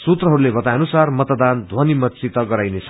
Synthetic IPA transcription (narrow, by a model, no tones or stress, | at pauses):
sut̪rʌɦʌɾulebʌt̪ajʌnusarmʌt̪d̪and̪ʱwʌnimʌtt͡sit̪ʌɡʌɾajnesʰ